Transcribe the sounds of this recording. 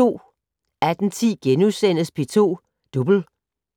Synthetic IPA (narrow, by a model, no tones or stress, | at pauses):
o̝̰ː | æd̥n̩t͡sʰḭːɡ̥enusen̰əspʰe̝t͡sʰo̝̰ː | d̥ub̥l̩